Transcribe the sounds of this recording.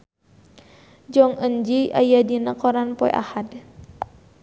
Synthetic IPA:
d͡ʒɔŋəɲd͡ʒiʔa̰jadinəkɔɾanpɔj̰ʔa̰had

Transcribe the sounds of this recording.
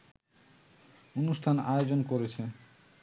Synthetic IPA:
onusʈʰanajod͡ʑonkoɾet͡ɕʰe

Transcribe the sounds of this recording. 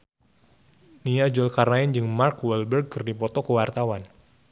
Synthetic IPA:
niad͡ʒɔlkarnaɪnd͡ʒɨŋmarkwɛlbɛrɡ̚kɨrdipɔt̪ɔkəwart̪awan

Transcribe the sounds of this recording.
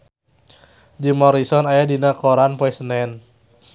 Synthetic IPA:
d͡ʒimɔɾisɔnajadinakɔɾanpɔɛsənɛn

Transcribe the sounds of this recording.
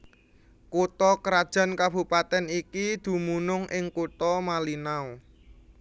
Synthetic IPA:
kut̪ɔkəɾad̥ʒ̥a̤nkab̥ṳpat̪ɛnikid̪̥ṳmunʊŋʔɪŋkut̪ɔmalinao

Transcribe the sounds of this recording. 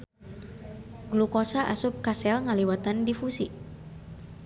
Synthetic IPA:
ɡlukosaʔasup̚kasɛlŋaliwat̪andifusḭ

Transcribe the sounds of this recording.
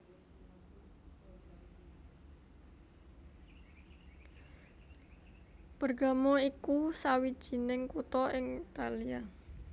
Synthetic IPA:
b̥ərɡamɔikusawid̥ʒ̥i̤nɪŋkut̪ɔɪŋt̪alia

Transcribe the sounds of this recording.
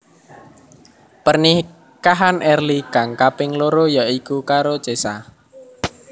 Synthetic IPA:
pərni | kaɦanʔɛrliɡaŋkapɪŋloɾojaʔikukaɾo̥t͡ʃesa

